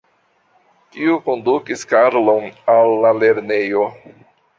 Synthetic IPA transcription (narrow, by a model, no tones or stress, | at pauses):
tiuko̞ndukiskaɾlonalːale̞ɾnejo